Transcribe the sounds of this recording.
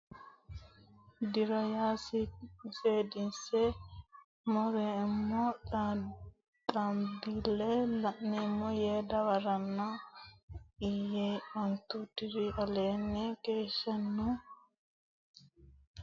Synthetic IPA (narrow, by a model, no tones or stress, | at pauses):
d̪ɪɾɐjaːsseːd̪ɪnsɛ | mɔɾɛɪmːɔ | t̪ʼɐmbilːɛlɐʔnɛmːɔjeːd̪ɐwɐɾɐnːɔ | ɪjeɔnt̪ut̪ɪɾiʔɐleːnːɛkeːʃːɐnːu